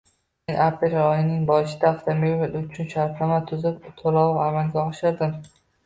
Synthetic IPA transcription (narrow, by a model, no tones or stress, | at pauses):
menʔapɾelɾɒjɪnɪŋbɒʃɪd̪aːft̪ʰameɪlʊt͡ʃʰʊnʃaɾpnamat̪ʰːʊzɪpt̪ʰolˠawamalɡʲaɒʃɪɾd̪ɪm